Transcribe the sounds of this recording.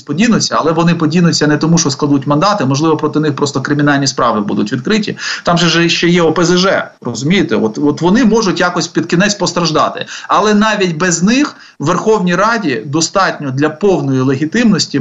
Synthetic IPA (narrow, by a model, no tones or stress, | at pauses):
pɔdʲinʊt͡sʲːɐɐ̰lˠɛʋɔnɪpɔdʲinʊt͡sʲːɐnɛt̪ɔmuʃt͡ʃɔsklˠɐd̪utʲmɐnd̪ɑt̪ɪmɔʒlˠɪʋɔpɾɔt̪ɪnɪxpɾɔst̪ɔkɾɪmʲɪn̪ɑlʲnʲispɾɑʋɪbṵd̪ʊtʲʋʲid̪̚kɾɪtʲḭt̪ɑmʒɛʒɛʃt͡ʃɛjɛɔpezeʒɛ̰rɔzʊmʲijet̪ɛɔt̪ɔt̪ʋɔnɪmɔʒʊtʲjakɔsʲpʲid̪kʲinɛt͡sʲpɔst̪ɾɐʒd̪ɑ̰t̪ɪ̰ɐlˠɛnɑʋʲitʲbɛznɪx | wːerxɔwnʲijɾɑdʲid̪ɔst̪ɑtʲnʲɔd̪lʲɐpɔwnɔjilˠeɦʲit̪ɪmnɔsʲtʲi